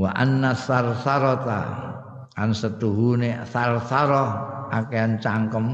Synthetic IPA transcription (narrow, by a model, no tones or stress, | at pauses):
waʔanːasarsaɾɔt̪a̰ | kansət̪uɦunesarsaɾɔakeant͡ʃaŋkəm